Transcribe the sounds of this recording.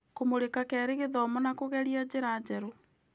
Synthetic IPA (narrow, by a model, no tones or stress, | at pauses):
komoɾekakɛːɾeɣeðɔmɔnakoɣɛɾiad͡ʑeɾad͡ʑɛɾo